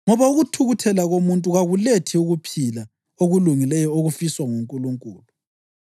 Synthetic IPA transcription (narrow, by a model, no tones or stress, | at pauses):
ŋɔβauɣutʰuɣutʰɛlaɣomuntʼuɣaɣuletʰiuɣupʰila | oɣuluŋilɛjɔoɣufiswaŋuŋkʼuluŋkʼuːlu